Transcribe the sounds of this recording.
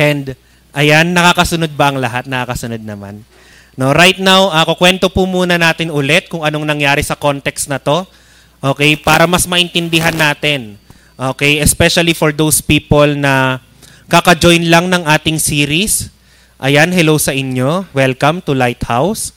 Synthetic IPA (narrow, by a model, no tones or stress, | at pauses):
ʔɛnd̪ | ʔɐjanːɐkaːkɐsʊno̞d̪̚bɐʔɐŋlɐɦat̪̚nɐkakɐsʊno̞d̪̚nɐma̰n | no̞ɾajt̪̚nawʔakokwɛnt̪opʊmuːnɐnaːt̪ɪnʊlɛt̪̚kʊŋɐno̞ŋnɐŋjaːɾɪsɐko̞nt̪ɛkst̪nɐt̪o̞ | ʔo̞ːkɛjpaːɾɐmɐsmɐʔɪnt̪ɪnd̪ɪɦanːaːt̪ɪn | ʔoːkɛjɛspɛʃɐlifoɹd̪owspiːpolnɐ | kakɐd͡ʒojnlɐŋnɐŋʔaːt̪ɪŋsiːɾis | ʔɐjanɦɛlowsɐʔɪɲjo̞wɛlkɐmt̪ʊlajt̪̚haws